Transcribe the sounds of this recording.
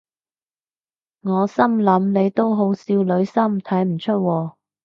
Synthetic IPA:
ŋɔː˨˧sɐ˥mlɐ˨˥mne˨˧jt̪o˥wɦo˨˥wsiː˧wlɵ˨˧ɥsɐ˥mt̪ʰɐ˨˥jm̩˨˩t͡ʃʰɵ˥t̚wɔː˧

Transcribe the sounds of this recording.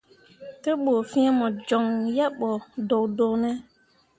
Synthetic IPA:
tɛ˦ɓo˨fĩ˦ɛ˦mɔ˨d͡ʒɔ˨ŋjɛ˦ɓɔ˨do˨do˨nɛ˦

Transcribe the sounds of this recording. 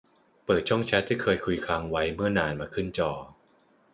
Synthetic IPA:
pɤː˨˩t̪̚t͡ɕʰu˥˩ŋt͡ɕʰɛ˦˥t̪ʰːiː˥˩kʰɤː˧jkʰu˧jkʰaː˧ŋwa˦˥jmɯ˥˩ɐnaː˧nmaː˧kʰɯ˥˩nt͡ɕɔː˧˩

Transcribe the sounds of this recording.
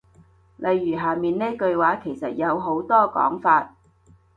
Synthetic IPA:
lʔɐ˨jːyː˨˩ɦaː˨˩miː˨nneː˥kɵ˧ɥwaː˨˥kʰe˨˩jsɐ˨t̚jɐ˨˧wɦo˨˥wt̪ɔː˥kɔ̰ː˨˥ŋfaː˧t̚

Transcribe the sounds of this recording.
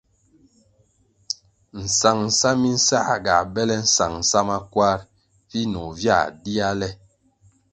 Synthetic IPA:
n̩˨sa˨ŋn̩˨sa˦mi˦n̩˦sa˦˨ɡa̰˨bɛ˦lɛ˦n̩˦sa˨ŋn̩˨sa˦ma˦kwa˦ɾ | vi˦nɔ˨vja̰˦˨di˦a˦lɛ˦

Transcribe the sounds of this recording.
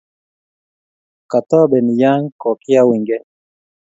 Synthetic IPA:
ka˨t̪ɔ˦bɛ˨ni˨ja˦ŋkɔ˨kɪ˦a˦wi˨ŋɡɛ˦

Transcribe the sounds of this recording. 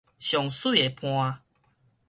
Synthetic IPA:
ɕjɔ˨˩ŋsu˥˨e˨˩pʰw̃ã˧

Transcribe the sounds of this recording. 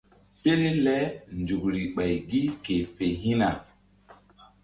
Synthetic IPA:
pe˦le˦lɛ˦nd͡ʒu˨k̚ɾi˨ɓa˨jɡi˦ke˨pe˨ɦi˦na˨

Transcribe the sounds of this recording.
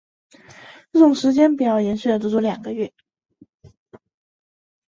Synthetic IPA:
ʈ͡ʂɤ˥˩ʈ͡ʂʊ˨˩ŋʂɻ̩˧˥t͡ɕjɛ˥npu˨˩jɑ˥˩ʊjɛ˧˥nɕy˥˩d̪ə˩ʈ͡ʂ̪ɔ˥˩t͡swɔ˧˥ljɑ̰˨˩ŋɡə˦ɥɛ˥˩

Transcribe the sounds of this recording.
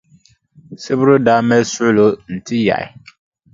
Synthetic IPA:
sɪ˦bʊ˦ɾʊ˦daː˦mɛ˦su˦lo˦n̩˨tʰi˦ja̰˨ɪ̰˨

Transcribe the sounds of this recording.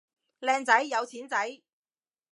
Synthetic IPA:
lɛː˧ŋt͡sɐ˨˥jːjɐ˨˧wt͡sʰiː˨˥nt͡sɐ˨˥j

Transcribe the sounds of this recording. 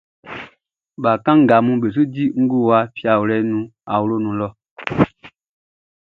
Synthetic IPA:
ba˨kã˦ŋ̩˨ɡa˨mũ˦be˨s̬u˦di˦ŋ̩˦ɡu˦˨wa˦fja˨wu˨lɛ˦nũ˦a˨wu˦lo˦nũ˨lɔ˦

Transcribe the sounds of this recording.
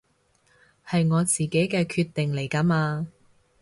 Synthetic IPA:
hɐ˨jŋɔː˨˧t͡siː˨˩ke˨˥jkɛː˧kʰyː˧t̪ːɪ˨ŋle˨˩jkaː˨˥maː˧

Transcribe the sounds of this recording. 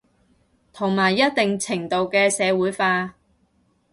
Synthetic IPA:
t̪ʰʊ˨˩ŋmaː˨˩jːɐ˥t̚t̪ɪ˨ŋt͡sʰɪ˨˩ŋt̪o˨wkɛː˧sɛː˨˧wuː˨˥jfaː˧

